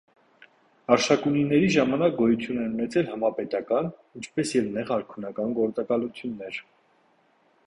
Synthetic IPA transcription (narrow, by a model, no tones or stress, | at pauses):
ɑɾʃɑkuninɛɾiʒɑmɑnɑk̚ɡɔjut͡s̪ʰjunɛnunɛt͡sʰɛlhɑmɑpɛt̪ɑkɑnint͡ʃʰpɛsjɛvnɛʁɑɾkʰunɑkɑnɡɔɾt͡sɑkɑlut͡sʰjunːɛɾ